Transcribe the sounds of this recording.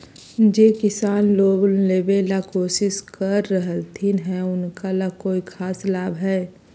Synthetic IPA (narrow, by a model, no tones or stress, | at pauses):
d͡ʒeːkɪsaːnloːblleːbelakoːsɪskəɾːəɦəlt̪ʰinɦɛ̃ʊnkalakoːikʰaːslaːbʱɦɛː